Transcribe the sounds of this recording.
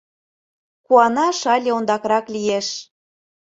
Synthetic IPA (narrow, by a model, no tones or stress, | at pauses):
kuɑnɑʃɑlʲeond̪ɑkɾɑklʲijeʃ